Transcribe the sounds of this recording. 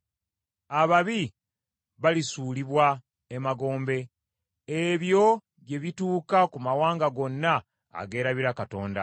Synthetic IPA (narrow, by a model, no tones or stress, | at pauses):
aβaβi | βalisuːliβwa | emaɡo̞ːmbe̞ | eβjo̞ | βe̞βituːkakumawaːŋɡaɡo̞nːa̰ː | ɡe̞ːɾaβiɾakato̞ːnda̰